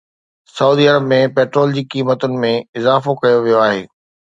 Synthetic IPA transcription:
sɐuːd̪iːɐɾəbmẽpeːʈɾoːld͡ʑiːkiːmət̪ʊnɪ̆mẽɪzaːfokɐjoʋijoaːɦḛː

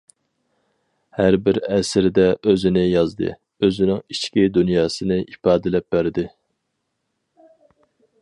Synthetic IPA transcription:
hæɾbɪɾɛsɾɪd̪ɛʔøzɪnɪjɑzd̪ɨ̰ | øzɪnɪŋit͡ʃkʲid̪unjɑːsɨnɨʔipɑːd̪ɪlɛp̚bæɾd̪ɪ

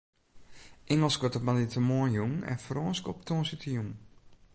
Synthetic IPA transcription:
ʔɛŋəlˠskɔtɔpmanitəmoəjuŋɛ̰nfrɔːnskɔp̚tʰoːnsitʰəjuŋ

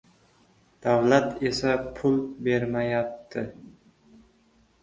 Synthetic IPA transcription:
d̪̥awlat̪e̞sapʰʊlˠbe̞ɾmajap̚t̪ʰɪ

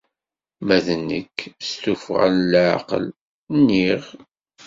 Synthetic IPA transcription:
mæðənːə̰kːst̪ufʁa̰llʕɑ̰qə̰l | nːiʁ

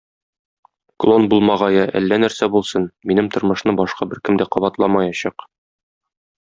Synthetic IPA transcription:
klˠonbulˠmɑʁɑjɑʔæ̰lːænæɾsæbulˠsɤnminɘmt̪ŏɾmɤ̆ʃnɤbɒʃqɑbɘɾkɘmd̪æqɒbɑt̪lˠɑmɑjɑɕɑq

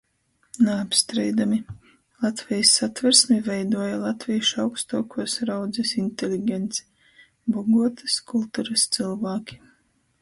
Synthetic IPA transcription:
naːpst̪ɾɛjd̪ami | lˠat̪vʲɛjasːat̪vɛɾsmʲivɛjd̪uɔjalˠat̪vʲijʃawkst̪uɔkʰuɔsɾawd̪zɛsinʲt̪elʲiɡʲɛnt̪sɛ̥ | bɔɡuɔt̪ɨ̥skulˠt̪uɾɨst̪sɨlˠvaːkʲi̥

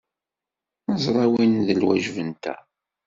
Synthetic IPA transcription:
nəzˤɾˤɑwinðəlwæ̰ʒvənt̪æ̰

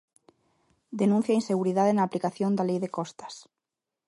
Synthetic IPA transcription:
d̪enũn̟θjainseɣuɾiðaðenaːplikaθjõnd̪alejðekɔst̪ḁs

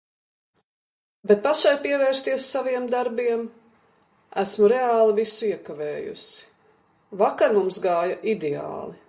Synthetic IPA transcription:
bet̪̚paʃajpiɛvɛːɾst̪iɛsːaviɛmd̪aɾbiɛm | æsmuɾeaːlˠivisuiɛkavɛːjṵsi̥ | vakaɾmumsɡaːjɐʔid̪ɛa̰ːlˠi

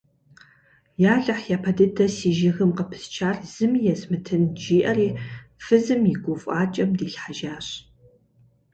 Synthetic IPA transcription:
jaːɮɐħjaːpʰɐdɨdʰɐsiːʒɪxɨmqəpʰɨ̥st͡ʃʰaːrz̥ɨmjɛsmɨtʰɨnd͡ʒiːʔɐriːfɨzɨmjɪɡʷʊfʷʼɑːt͡ʃʼɐmdiːɬħaʒaːɕ

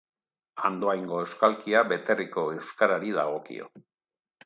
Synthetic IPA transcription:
and̪oajŋɡo̞ewskalkiaβe̞t̪e̞riko̞e̞wskaɾaɾiðaɣo̞kḭo̞̰

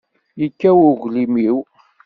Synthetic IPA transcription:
jəkːæwʊʝʷlimiw

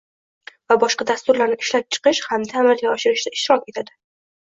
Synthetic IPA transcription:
vabɒʃqɑd̪ast̪ʊɾlaɾnɪɪʃlap̚t͡ʃʰɨ̥qɪʃhamt̪ʰamɪɾɡʲaɒʃɪɾɪʃd̪aɪʃt̪ɪɾɒkʲe̞t̪ʰad̪ɪ

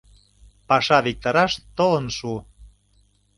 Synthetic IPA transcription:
pɑʃɑβik̚t̪ɑɾɑʃt̪oənʃu

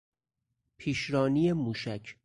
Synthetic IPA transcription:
pʰiːʃɾɒːniːemuːʃæcʰ

